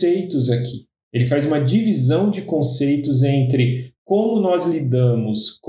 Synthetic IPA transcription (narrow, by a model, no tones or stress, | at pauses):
ejt̪ʊzakʰi̥ | elɪfajzũmɐd͡ʒivizɐ̃w̃d͡ʒɪkõsejt̪ʊzẽnt̪ɾɪkõmʊnɔzlid̪ɐ̃mʊsk